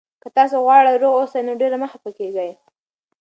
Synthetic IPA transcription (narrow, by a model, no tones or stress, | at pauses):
kət̪ɑs̬oɣwɑɽəjɾoɣosajnoɖeɾaməxapəkeɡəj